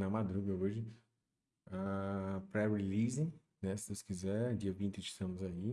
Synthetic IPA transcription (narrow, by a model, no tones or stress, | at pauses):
nɐmad̪ɾuɡɐoʒɪ | apɾɛɾilizẽ | nɛsɪ̥d̪ewskizɛɾd͡ʒiɐvĩnt͡ʃ̪ɪɪst̪ɐ̃mʊzai